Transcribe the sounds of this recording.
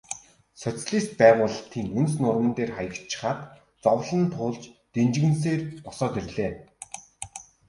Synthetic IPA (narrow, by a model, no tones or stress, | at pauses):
sœt͡sɮiːst̪̚pæːʁʊːɮə̆t̪ʰiːŋɵnsnʊrmə̆nt̪eːrχajə̆kt͡ɕʰːɪ̥̆χaːt̪ | t͡sɔwɮə̆nt̪ʰʊːɮt͡ɕt̪ent͡ɕ̆ɣɘ̆ns̬eːrpɔsɔːt̪erɮeː